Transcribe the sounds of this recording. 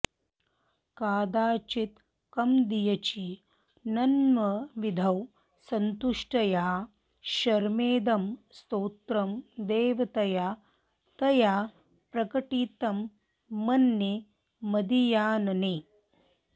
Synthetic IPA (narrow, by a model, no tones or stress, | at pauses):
kaːd̪aːt͡ʃit̪ | kɐmd̪ijɐt͡ʃi | nɐnmɐʋid̪ʱɐw | sɐnt̪uʂʈɐjaː | ʃɐɾmeːd̪ɐmst̪oːt̪ɾɐmd̪eːʋɐt̪ɐjaː | t̪ɐjaː | pɾɐkɐʈiːt̪ɐmː | ɐnːe | mɐd̪ijaːnɐneː